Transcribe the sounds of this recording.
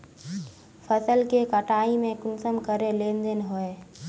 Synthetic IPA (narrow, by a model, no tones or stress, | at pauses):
fʰəsəlkekəʈaːimẽkʊnsəmkəɾelẽːnd̪enɦʊe